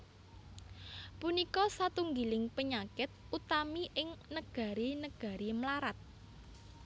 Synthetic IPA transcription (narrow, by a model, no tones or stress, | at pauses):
punikɔsat̪uŋɡilɪŋpəɲakɪt̪̚ut̪amiʔɪŋnəɡ̥a̤ɾinəɡ̥a̤ɾimlaɾat̪̚